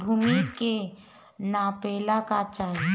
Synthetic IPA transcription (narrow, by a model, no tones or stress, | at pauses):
bʱuːmike | naːpeːlakat͡ʃaːɦ